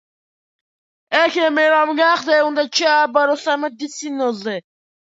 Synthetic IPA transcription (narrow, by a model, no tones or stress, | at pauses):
ɛkʰɛmɛɾamɡaχd̪ɛund̪at͡ʃʰɛabaɾɔsamɛd̪isinɔzɛ